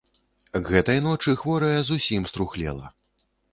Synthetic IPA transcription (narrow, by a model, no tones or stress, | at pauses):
ɣɛt̪ɐjnɔt͡ʂɨxvɔɾɐjɐzusʲimst̪ɾuxlʲɛ̰lˠɐ̰